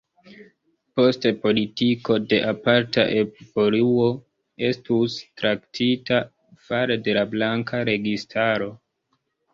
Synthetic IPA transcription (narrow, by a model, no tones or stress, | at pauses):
po̞stepo̞litiko̞de̞ʔapaɾta̰ʔe̞ppoluo̞ | e̞stustɾaktʰita | faɾede̞lablaŋkʰaɾe̞ɡistʰaɾo̞